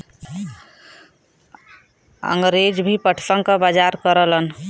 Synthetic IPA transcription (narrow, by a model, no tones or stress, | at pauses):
ə̰ŋɡɾed͡ʒbʱipəʈʰsəŋkəbad͡ʒaɾkəɾələn